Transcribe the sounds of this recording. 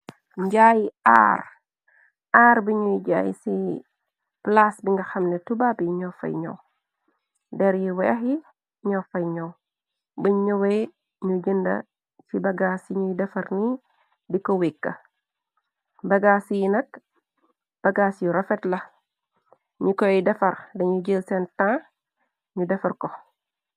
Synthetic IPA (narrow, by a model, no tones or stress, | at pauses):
ɲɟaːjia̰ːr | aːɾbiɲujɟa̰ːjḭsi | plasbiŋɡɐxɐmnɛtubabjiɲɔːfɐ̰jɲɔ̰w | dɛɾjiwɛɐɦi | ɲɔfɐjɲɔw | bəɲɔwɛ | ɲuɟəndɐ̰ | cibɐɡaːsiɲujdɛfɐrni | dikɔwikːɐ̰ | bɐɡasijinɐk | b̥ɐɡaːsjuɾɐfɛtlɐ | ɲukɔjdɛfɐrdɐɲuɟilsɛntãː | ɲudɛfɐrkɔ